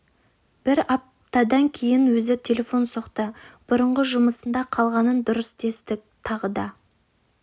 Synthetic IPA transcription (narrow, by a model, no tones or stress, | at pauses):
b̥ɪɾɑp̚ | t̪ɑd̪ɑŋkʲʰe̞jɪnwɵzɪt̪ʲʰe̞le̞fo̞nsoqt̪əb̥ʊɾəɴʁəʒʊməsənd̪ɑqʰɑlˠʁɑnənd̪ʊɾəsd̪e̞st̪ɪk̚t̪ʰɑʁəd̪ɑ